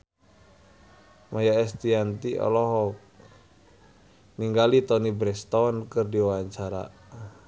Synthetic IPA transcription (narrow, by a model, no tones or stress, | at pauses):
majaɛst̪iant̪iɔ̰lɔɦɔk̚ | niŋɡalit̪ɔnibɾɛst̪ɔɔnkɨrdiwawaɲt͡ʃaɾa̰